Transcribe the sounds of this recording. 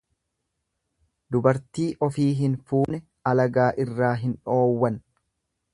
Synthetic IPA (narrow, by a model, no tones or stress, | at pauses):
d̪ʊbɐɾt̪iːʔɔfiːɦɪnfuːnɛ | ɐlɐɡaːʔɪrːaːɦɪnᶑo̞ːwːɐn